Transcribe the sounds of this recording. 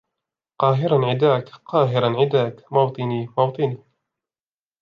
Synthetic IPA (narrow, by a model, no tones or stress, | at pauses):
qɑːɦɪɾanʕɪd̪aːkqɑːɦɪɾanʕɪd̪aːkmɑwt̪ˤɨniːmɑwt̪ˤɨniː